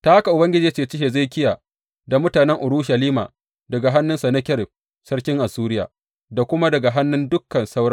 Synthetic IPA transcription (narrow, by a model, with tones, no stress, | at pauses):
ta˦ha˦ka˨ʔʊ˨bɐ˦ŋɡʲɪ˦d͡ʒiː˨˦t͡ʃeː˨˦t͡ʃɪ˦he˨za˦˨kʲɪ˦ja˨ | da˨mʊ˦taː˨nɛ˦ŋʔʊ˨ɽuː˦ʃa˨liː˦ma̰ː˨ | dɐ˨ɡa˨ɦa˦nːʊ˦nsɐ˨nɐ˦kʲɛ˦r | sɐ˦ɽkʲɪ˦ŋʔa˨suː˦ɾɪ˦ja̰ː˨ | da˨kʷʊ˦ma˦dɐ˨ɡa˨ɦa˦nːʊ˦ndʊ˦kːɐ˨nsa˦wɽɐ˦